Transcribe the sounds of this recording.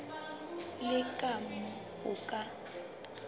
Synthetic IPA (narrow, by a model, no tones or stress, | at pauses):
lɪkʼamɔ | ɣʊkʼa